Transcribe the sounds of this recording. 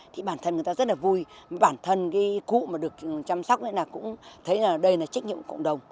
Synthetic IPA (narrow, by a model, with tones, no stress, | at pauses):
t̪ʰi˨˩ɓaː˧˩nt̪ʰə˧nɨ˨˩ə˩t̪aː˧zə˦˥t̚laː˨˩vu˧jɓaː˧˩nt̪ʰə˧nkaː˨˦kṵ˧˨maː˨˩ɗɨ˨˩ək̚t͡ɕa˧msa˦˥wk͡p̚na˧˦naː˨˩kʊ̰˧˥ŋ͡mt̪ʰə˨˦jaː˨˩ɗə˧jnaː˨˩t͡ɕa˦˥k̟̚ɲḭ˧˨ə˨˩kə̰˧˨ŋ͡mɗə˨˩wŋ͡m